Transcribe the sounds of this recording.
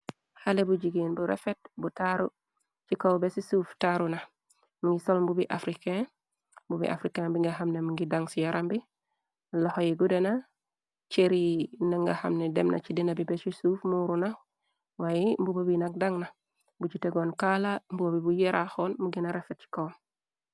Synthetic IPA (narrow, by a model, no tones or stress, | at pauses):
halebuɟiɡinbuɾḛfet̚butaɾu | t͡ʃikowbesisuːftaɾuna | miŋɡisolmbubiʔafɾiken | mbubḭʔa̰fɾikenbiŋɡaɦamnemuŋɡidaŋsijaɾambi | lohojiɡudena | t͡ʃeɾinaŋɡaha̰mnedemnʔa̰t͡ʃidinabibesisuːfmuɾuna | wajimbubobinak̚daŋna | bud͡ʒuteɡoːnkalambubabibujeɾʔaxonmuɡinaɾefet̚t͡ʃi̥kow